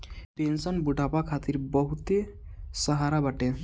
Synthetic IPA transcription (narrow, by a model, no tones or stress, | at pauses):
pensɔnbuɖʱapakʰat̪iɾbɔɦut̪e | səɦaɾabaʈe